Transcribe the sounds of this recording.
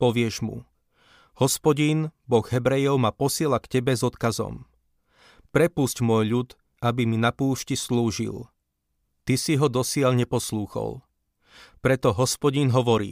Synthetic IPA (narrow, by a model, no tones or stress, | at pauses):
pɔʋɪɛʒmṵ | hɔspɔɟinbɔɣɦɛbɾɛjɔʊmapɔsɪɛlakcɛbɛzɔt̪kazɔ̰m | pɾɛpuscmʊɔjʎut̪ | abiminapuːʃcisluːʒḭl | t̪isiɦɔd̪ɔsɪaʎɲɛpɔsluːxɔ̰l | pɾɛt̪ɔɦɔspɔɟinɦɔʋɔɾḭː